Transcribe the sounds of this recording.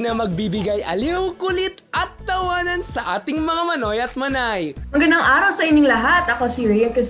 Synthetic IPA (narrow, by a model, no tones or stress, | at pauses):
nɐmɐɡ̚bibɪɡajʔɐliwkʊlɪt̪ʔɐt̪̚ːɐwaːnɐnsɐʔaːt̪ɪŋmɐŋamɐno̞jʔɐt̪̚mɐnajɐŋɡɐnd̪ɐŋʔaːɾɐwsɐʔɪnɪŋlɐɦat̪ɐkosiɾiɐkɐ